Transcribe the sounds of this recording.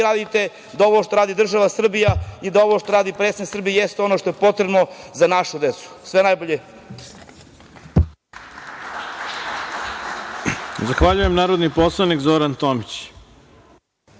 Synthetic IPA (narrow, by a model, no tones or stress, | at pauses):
ɾaːd̪it̪e̞ | d̪ao̞ʋoʃt̪o̞ɾaːd̪id̪r̩ʒaʋasr̩bijaid̪aoʋoʃt̪o̞ɾaːd̪ipɾeːsniksr̩bijejest̪eo̞no̞ʃt̪o̞je̞po̞t̪ɾebno̞zanaʃud̪et̪su̥sʋenajboʎe | zaxʋaʎujemnaːɾod̪niposlˠanikzoɾant̪omit͡ɕ